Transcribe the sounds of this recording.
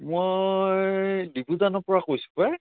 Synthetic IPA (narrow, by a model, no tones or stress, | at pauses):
mojdibuzanɔpɔɹakojsu̥pɛ